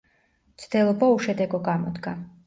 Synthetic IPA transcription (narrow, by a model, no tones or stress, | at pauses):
t̪sʰd̪ɛlˠɔbauʃɛd̪ɛɡɔɡamɔd̪ɡa